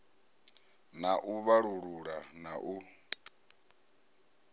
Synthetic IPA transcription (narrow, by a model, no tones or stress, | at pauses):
naʔuβaɺuɺuɺanaʔu